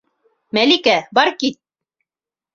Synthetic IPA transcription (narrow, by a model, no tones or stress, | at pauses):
mælikæbɑɾkit̪̚